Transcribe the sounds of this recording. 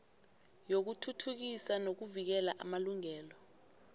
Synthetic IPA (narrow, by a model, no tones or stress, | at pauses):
jok̬utʰutʰuk̬isanok̬uvik̬ɛlaʔa̰maluŋɛːlɔ